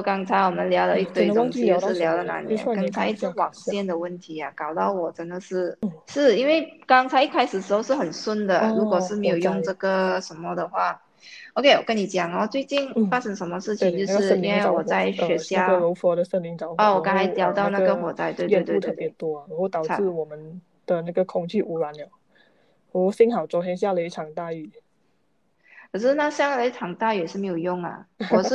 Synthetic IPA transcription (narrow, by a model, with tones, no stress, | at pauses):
o˥˩kɑ˥ŋt͡sʰa˧ɪwɔ˨˩mə˨˦nljɑ˧˥ʊlə˧i˥˩t̪we˧˥˩ɪt̪ʊ˥ŋ˨˧˥jo˥˧ʊʂɻ̩˥˩ljɑ˧˥ʊlə˨˧na̰˧˥nɛ̰˧˥˧n˥kɑ˥ŋt͡sʰa˧˥ɪi˥˩t͡s̩ʰ˧˥wɑ˨˩ŋɕjɛ˥˩nd̪ə˩wə˥˩nt̪ʰi˧˥a˧kɑ˨˩ʊt̪ɑ˥˩ʊwɔ˨˩ʈ͡ʂə˧˥nd̪ə˨ʂɻ̩˥˧ʂɻ̩˥˩i˥nwe˥˩ɪkɑ˥ŋt͡sʰa˧˥ɪi˥˩kʰa˥ɪʂɻ̩˨˩ʂɻ̩˧˥xo˥˧ʊʂɻ̩˥˩xə˨˩nswə˥nd̪ə˨˩ɻu˧˥kwɔ˨˩ʂɻ̩˥˩me˧˥ɪjo˨˩ʊjʊ˥˧ŋʈ͡ʂɤ˥˩ɡə˩ʂə˧˥nmə˧d̪ə˨xwa˥˩ | o˧kʰe˥ɪwɔ˨˩kə˧˥ni˧˩t͡ɕjɑ˨˩ŋɐ˧t͡swe˥˧ɪt͡ɕi˥˧nfa˥ʂə˥ŋʂə˧˥nmə˧ʂɻ̩˥˩t͡ɕʰi˨˧˦ŋt͡ɕjo˥˧ʊʂɻ̩˥˩˥i˥nwe˥˩ɪwɔ˨˩t͡sa˥˩ɪɕɥɛ˧˥ɕja˥˧ɻo˧˥ʊfɔ˧˥d̪ə˨ʂə˥˩nli˧˥ŋt͡sɑ˨˩ʊɔ˥˩wɔ˨˩kɑ˥ŋʰa˧˥ɪt̪ljɑ˧˥ʊt̪ɑ˥˧ʊna˥˩ɡə˩xwɔ˨˥˦t͡sa˥˧ɪt̪we˥˧ɪwe˥˧t̪we˥˧t̪ʰɤ˧˥˩pjɛ˨˧˥t̪wɔ˥˨˧wɔ˧˥t̪ɑ˨˩ʊ˨ɹ̩˥˩wɔ˨˩mə˨˦n | d̪̥ə˨na˥˩ɡə˩kʰʊ˨˩ŋt͡ɕy˥˩ʔu˧˥ɻwa˧˦njɔ˨˩ | wɔ˧˩si˥ŋxɑ˨˩ʊt͡sɔ˨˥t̪jɛ˥nɕja˥˧lə˧i˥˩ʈ͡ʂʰɑ˨˩ŋt̪a˥˧y˥˩ | kʰə˨˩ʂɻ̩˥˧na˥˧ɕjɑ˥˩ŋə˨˧i˥ʈ͡ʂʰɑ˨˩ŋt̪a˥˧y˥˩jɛ˨˩ʂɻ̩˥˩me˧˥ɪjo˨˩jʊ˥˩ŋə̰˩wɔ˨˩ʂ̩˥˩